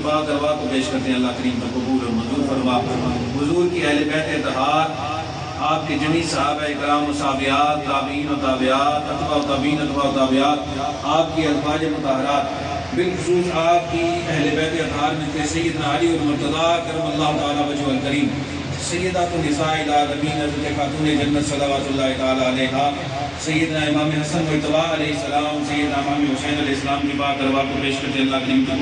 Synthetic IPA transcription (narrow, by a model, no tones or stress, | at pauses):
baːd̪ɐɾʋaːt̪opeːʃkɐɾt̪eẽɐlːaːɦkəɾiːmpɐkʊbuːlɔɾmɐ̃nzuːɾfɐɾmaːɦʊzuːɾkiɛɦlebɛːt̪eɐt̪ɦaːɾ | aːp̚ked͡ʒɐmĩːsɐɦaːbaːeɪkɾaːmʊsaːbɪjaːt̪ːaːbiːnɔːɾt̪aːbɪjaːt̪ɐt̪baːot̪aːbiːnɐt̪baːot̪aːbɪjaːt̪ | aːp̚kiɐlbaːd͡ʒemʊt̪aːɦɾaːt̪ | bɪlxʊsuːt͡ʃaːp̚kiɛɦlebɛːt̪eɐd̪ʱaːɾmẽt̪ʰesɐjːəd̪naːɐliɔɾmʊɾt̪ɐd̪aːkɐɾɐmɐlːaːɦt̪aːlaːʋɐd͡ʒuɐlkɐɾiːm | sɐjːəd̪aːt̪unɪsaːɪlaːlɐmiːnɐzɾt̪exaːt̪uːned͡ʒɐnːət̪sɐlaːʋaːt̪ʊlːaːɦit̪ɐaːlaːɐlɛːɦaː | sɐjːəd̪naːɪmaːmeɦɐsənmʊɪt̪ɐʋaːɐlɛːɦɪsɐlaːmsɐjːəd̪naːɪmaːmeɦʊseːnɐlɛːɦɪsɐlaːmkibaːd̪ɐɾʋaːp̪ɐɾpeːʃkɐt̪eɐlːaːɦkɐɾiːmt̪